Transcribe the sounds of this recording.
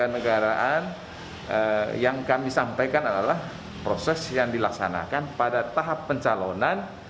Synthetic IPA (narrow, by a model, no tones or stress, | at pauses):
anəɡaɾaʔan | əjaŋkamisampajkanadalah | pɾosɛsjaŋdilaksa̰na̰kanpadat̪aɦapːəɲt͡ʃalonan